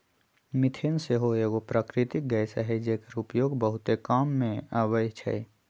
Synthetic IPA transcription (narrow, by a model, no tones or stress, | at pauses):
mɪt̪ʰenseɦoeːɡopɾaːkɾɪt̪ik̚ɡəjsaɦɛd͡ʒekəɾʊpjoːɡbəɦʊt̪ekaːmːẽaːʋəjt͡ʃʰɛ̰